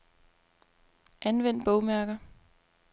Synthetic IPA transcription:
ʔænʋen̰d̥̚b̥ɔʊmæɐɡ̥ɐ

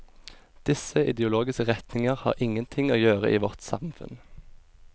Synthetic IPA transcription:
d̪̥ɪsəɪd̪ɛʊloːɡɪskəʁɛt̪nɪŋəʁhɑ̰ːʁʔɪŋənt̪ʰɪŋoːjøːʁə̰ʔiːʋɔʁt̪sɑ̰mfʉ̰n

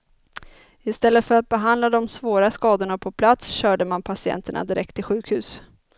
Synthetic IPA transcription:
ɪst̪ɛlːət̪fœɾat̪̚bɛɦand̪lad̪ɔmsvoːɾaskɑːd̪ʊɳapʰɔpʰlat̪sɕœːɖəmanpʰasɪɛ̰nt̪əɳa̰d̪ɪɾʔɛkt̪ʰːɪɧʉ̟ːkhʉ̟ːs

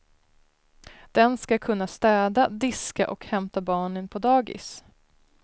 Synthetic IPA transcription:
d̪̥ɛnskakʰɵnːast̪ɛːd̪ad̪ɪska̰ʔɔkhɛmt̪abɑːɳənpʰɔd̪ɑːɡɪ̰s

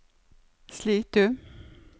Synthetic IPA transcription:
sliːt̪̚d̪ʉː

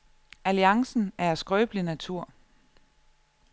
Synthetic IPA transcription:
æliɑ̈ŋsn̩æɐæsɡ̥ʁœːb̥linæt͡sʰuɐ̰

